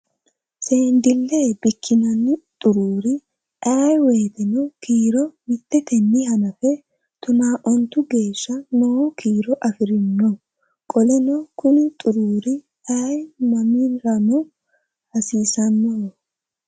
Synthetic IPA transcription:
seːnd̪ɪlːeːbɪkʰːɪnɐnːɪt̪ʼʊɾuːɾɪ | ʔɐjweːt̪ɛnɔkiːɾɔmɪt̪ːɛt̪ɛnːɪhɐnɐfɛ | t̪ʊnaːʔɔnt̪ʊɡe̞ːʃːɐnoːkʰiːɾɔʔɐfɪɾɪnːɔ | kʼɔlɛnɔkʊnɪt̪ʼʊɾuːɾɪ | ɐjmɐmiɾɐnɔ | hɐsiːsɐnːɔ

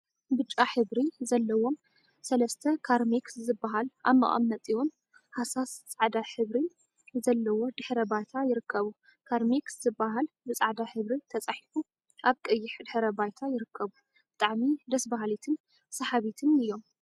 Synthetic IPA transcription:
bɨt͡ʃʼːaħɨβɾizɐlːɐwo̞m | sɐlɐst̪ʰɐkʰaɾmikszɨbːaɦala̰βmɐ̰χʼɐ̰mnɐt̪ʼiwun | hasast͡sʼaʕd̪aħɨβɾi | zɐlːɐwo̞d̪ɨħɾɐbajt̪ʰajɪɾɨkʰːɐβu | kʰaɾmikszɨbːaɦal | bɨt͡sʼaʕd̪aħɨβɾit̪ʰɐt͡sʼaħifu | ʔaβkʼɨjːɪħd̪ɨħɾɐbajt̪ʰajɪɾɨkʰːɐβu | b̥ɨt̪ʼaʕmid̪ɐsbaɦalit̪ʰɨn | sɐħaβit̪ʰɨnɨjːo̞m

